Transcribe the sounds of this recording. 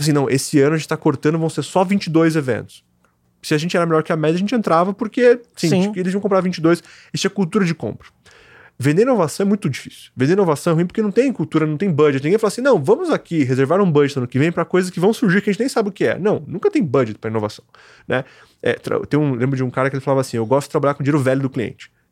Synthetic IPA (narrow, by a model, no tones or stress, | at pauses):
fasĩnɐ̃w̃ʔesɪɐ̃nʊɐʒẽt͡ʃɪt̪akoɾt̪ɐ̃nd̪ʊvɐ̃w̃seɾsɔvĩt͡ʃɪd̪ojzevḛ̃nt̪ʊ̥s | sɪaʒẽnt͡ʃɪɛɾɐmeʎjɔɾkɪɐmɛd͡ʒɐʒẽnt͡ʃɪẽnt̪ɾavɐpoɾkesĩkelɪziɐ̃kõpɾaɾvĩt͡ʃɪd̪ojs | st͡ʃĩɐkuwt̪uɾɐd͡ʒɪkõ̰mpɾɐ̥ | vẽnd̪eɾĩnovasɐ̃w̃ɛmũj̃t̪ʊd͡ʒifi̥sʊ̥vẽnd̪eɾinovasɐ̃w̃ɛhɦuĩpoɾkenɐ̃w̃t̪ẽj̃kuwt̪uɾɐnɐ̃w̃t̪ẽj̃bɐ̃d͡ʒɪt̪nĩɡẽflasĩnɐ̃w̃vɐ̃mʊzakiɦezeɾvaɾũbɐ̃d͡ʒɪsɐ̃nʊkɪvẽj̃pɾɐkojzɐs̬kɪvɐ̃w̃suɾʒiɾkɐʒẽt͡ʃnẽj̃sabɪʊkɪɛ̰nɐ̃w̃nũŋkɐt̪ẽj̃bɐd͡ʒɪt̪pɾɐinovasɐ̥̃w̃ | nʔɛ | ɛ̰t̪ɾa̰t̪ẽj̃ũlẽmbɾʊd͡ʒɪũkaɾɐkelɪfalavasĩewɡɔst̪ʊd͡ʒɪt̪ɾabaʎaɾkõd͡ʒieɾʊvɛʎʊd̪ʊkliḛ̃nt͡ʃɪ̥